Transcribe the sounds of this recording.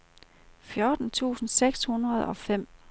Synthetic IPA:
fjɔːd̥n̩t͡sʰṵːsn̩seɡ̥shunʁɐð̞̩ˠɒ̽fem̰

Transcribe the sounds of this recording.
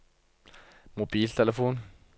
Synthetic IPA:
mobiːlt̪ʰɛləfoːn

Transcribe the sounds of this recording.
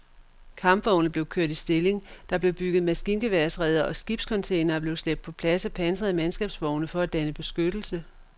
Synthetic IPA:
kʰɑ̈mb̥ʋɒʊnəð̩ble̝ʊkʰøɐ̰d̥isd̥e̝le̝ŋd̥ɑ̈b̥le̝ʊb̥yɡ̥ð̞̩ˠmæsɡ̥iːnɡ̥e̝ʋæɐsʁɛð̞ˠɐʔɒ̽sɡ̥ib̥skʰɒ̽nt͡sʰeɪnɐb̥le̝ʊsl̥eb̥̚d̥̚pʰɒ̽pʰlæsæpʰænsəð̩ˠæmænsɡ̥ɛːb̥sʋɒʊnəfɒ̽æd̥ænəb̥e̝sɡ̥ød̥l̩sə

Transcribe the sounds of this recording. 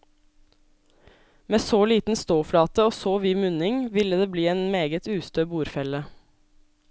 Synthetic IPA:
meːsoːliːt̪n̩st̪oːfɽɑːt̪əoːsoːʋiːmʉnɪŋʋɪləd̪eːbliːeːnmeːɡət̪ʰʉːst̪øːbuːɾfɛlə

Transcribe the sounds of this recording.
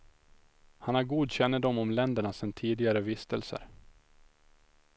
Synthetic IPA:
hanhaɾɡuːd̪ɕɛnːəd̪ɔmɔmlɛnd̪əɳasɛnt̪ʰiːd̪ɪɡaɾəvɪst̪ə̰lsə̰ɾ

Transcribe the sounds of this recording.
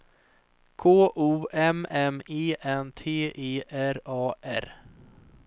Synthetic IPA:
kʰoːʔuːɛmɛmiːʔɛnt̪ʰeːʔeːʔæɾɑːʔæ̰ɾ

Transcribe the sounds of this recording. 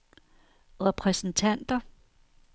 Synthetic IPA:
ʁɛpʰʁɛsn̩t͡sʰæn̰d̥ɐ

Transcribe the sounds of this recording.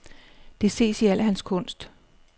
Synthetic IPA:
d̥e̝se̝̰ːsiæl̰əɦænskʰɔ̽n̰sd̥

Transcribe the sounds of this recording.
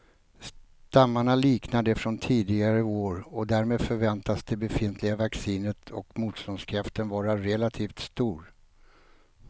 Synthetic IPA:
s | t̪amːaɳaliːknad̪əfɾɔnt̪ʰiːd̪ɪɡaɾəoːɾɔd̪æɾmeːd̪fœɾvɛnt̪asd̪̥ɛbɛfɪnt̪ʰlɪɡavaksiːnət̪ʰɔkmuːt̪st̪ɔnskʰɾaft̪ənvɑːɾaɾɛlat̪ʰiːft̪st̪uːɾ

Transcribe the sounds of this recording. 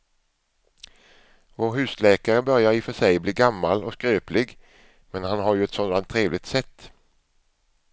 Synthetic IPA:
voːɾɦʉ̟ːslɛːkaɾəbœɾjaɾɪfœʂɛjbliːɡamːalɔskɾøːplɪɡ | mɛnhanɦaɾjɵɛt̪sɔnd̪ant̪ʰːɾeːvlɪɡ̚t̪sɛt̪ː

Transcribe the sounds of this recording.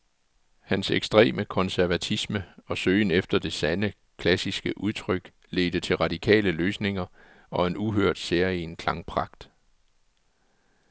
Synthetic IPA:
hænseɡ̥sd̥ʁɛ̰ːməkʰɒ̽nsæɐʋæt͡sʰisməɒ̽søːnefd̥ɐd̥e̝sænə | kʰlæsisɡ̥əʔuðˠt͡sʰʁœɡ̥ | le̝ːd̥ət͡sʰe̝lʁɑ̈d̥ikʰɛ̰ːləløːsne̝ŋɐ | ɒ̽e̝nuɦøɐ̰d̥seɐ̰inkʰlɑ̈ŋpʰʁɑ̈ɡ̥d̥

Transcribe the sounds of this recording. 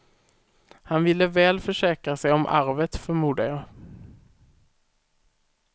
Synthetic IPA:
hanvɪlːəvɛːlfœʂɛːkɾasɛjɔmʔa̰ɾvət̪fœɾmuːɖ̪ajɑ

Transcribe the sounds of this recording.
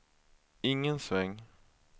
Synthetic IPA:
ɪŋːənsvɛŋː

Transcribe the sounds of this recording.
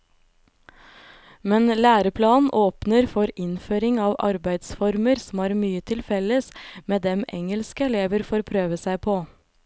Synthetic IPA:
mɛnlæːɾəpʰlɑːnʔoːpnəɾfɔɾɪnføːɾɪŋɑːʋɑ̰ɾbæɪd̪sfɔɾməɾsɔm̩æːɾmyːət̪ʰɪlfɛləsmeːd̪ɛmɛ̰ŋəlskəɛleːʋəɾfoːɾpʰɾøːʋəsæɪpʰoː

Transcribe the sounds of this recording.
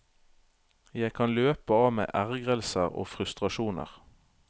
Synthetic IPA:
jæɪkʰɑnløːpəɑːʋmḛːʔæʁɡʁəlsəʁo̰ːfʁʉst̪ʁɑʃuːnə̰ʁ

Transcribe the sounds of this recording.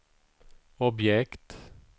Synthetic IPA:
ɔbjɛkt̪

